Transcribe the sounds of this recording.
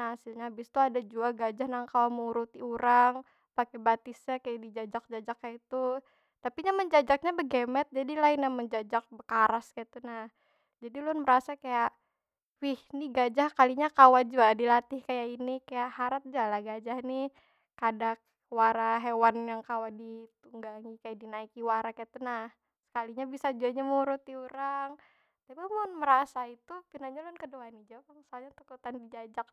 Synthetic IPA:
naasɪlɲaːbɪst̪uadad͡ʒuaɡad͡ʒahnaŋkawaməuɾut̪iuɾaŋ | pakebat̪ɪsɲakajaʔdid͡ʒad͡ʒak̚d͡ʒad͡ʒakːajait̪u | t̪apiɲaməɲd͡ʒad͡ʒak̚ɲabəɡɛmɛt̪̚d͡ʒadilaɪnːahməɲd͡ʒad͡ʒak̚bəkaɾaskait̪unah | d͡ʒadilʊnməɾasakajaʔ | wɪhniɡad͡ʒahkaliɲakawad͡ʒuadilat̪ɪhkajainikajaʔhaɾat̪̚d͡ʒualaɡad͡ʒahni | kadak | waɾaɦewanjaŋkawadit̪uŋɡaŋikajadinaikiwaɾakait̪unah | sə̥kaliɲabisad͡ʒuaɲamuɾʊt̪̚iuɾaŋ | t̪abamanməɾasait̪upinaɲalʊnkəduanid͡ʒawpaŋsalɲat̪ukut̪andid͡ʒad͡ʒak̚

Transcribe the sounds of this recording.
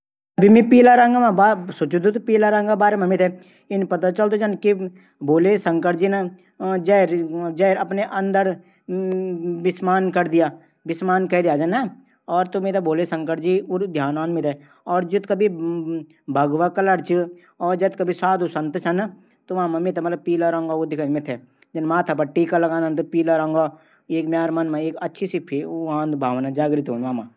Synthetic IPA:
ɐbʱimipiːlaɾaŋɡamãbasʊt͡ʃud̪ut̪piːlaɾãːŋɡabaːɾemɐmɪt̪ʰɛ | ɪnpɐt̪at͡ʃɐlt̪od͡ʒɐnki | boːlesɐ̃ŋkəʈd͡ʒinə | d͡ʒɛɾd͡ʒɛːɾɐpneʔɐ̃nd̪əɾ | bɪsmaːnkɐɾd̪ija | bɪsmaːnkɛd̪ijaːd͡ʒɐna | ɔːɾt̪omeːt̪aboːlesɐ̃ŋkəʈd͡ʒiʊɾd̪ʱjaːnaːnmɪt̪ʰɛ | ɔːɾd͡ʒɐt̪kɐbʱi | bʱɐɡʋakɐləɾt͡ʃɨ | ɔːɾd͡ʒɐd̪kɐbʱisaːd̪usɐ̃nt̪t͡ʃʰɐn | t̪oʋamãmɪt̪ʰmɐt̪ləb̚piːlaɾɐ̃ŋɡaod̪ɪkʰanmɪt̪ʰɛ | d͡ʒɐnmãːt̪ʰap̬ɐʈiːkalɐɡãːnd̪ant̪̬opiːlaɾɐ̃ŋɡa | eːkmʲjaːɾmɐnmãeːkɐtːʃʰisipʰiãːnd̪bʱaːʋnad͡ʒaːɡɾɪt̪ɦoːnʋaːmaː

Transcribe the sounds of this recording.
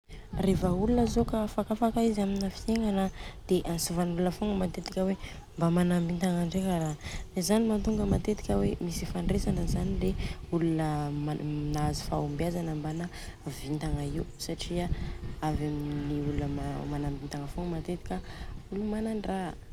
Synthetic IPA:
refəulunəzokafakafakaiziaminafi̥t̪eŋanəd̪̥eʔansuvanulunəfoŋɡəmat̪et̪i̥kʲəwe | mbamanambint̪aŋaɳɖ͡ʐekaɾad̪ezanimat̪uŋɡəmat̪et̪i̥kʲəwemisifaɳɖ͡ʐesanəzanileulunə | inazi̥fa̰umbjazanəmbana | vint̪aŋaiwusaʈ͡ʂiaavaminiulunəmanambint̪aŋəfoŋɡəmat̪et̪i̥kʲəulumananra

